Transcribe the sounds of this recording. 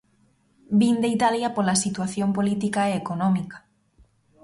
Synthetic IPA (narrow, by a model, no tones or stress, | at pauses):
bind̪eit̪aljɐpolɐsit̪waθjompolit̪ikaeekonɔmikḁ